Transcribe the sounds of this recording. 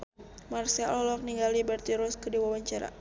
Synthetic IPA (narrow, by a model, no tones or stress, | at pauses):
marsiaʔlɔlɔk̚niŋɡalibɛrt̪iɾɔskədiwawaɲt͡ʃaɾa̰